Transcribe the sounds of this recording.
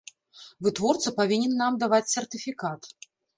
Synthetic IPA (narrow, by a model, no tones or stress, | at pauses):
vɨt̪vɔrt̪sɨpavʲinʲɛnːamd̪avat͡sʲsʲɛrt̪ɨfʲikat̪